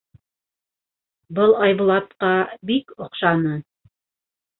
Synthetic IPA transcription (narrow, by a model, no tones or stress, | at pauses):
bɤlˠɑjβŭlˠɑt̪qɑbikŏqʃɑnɤ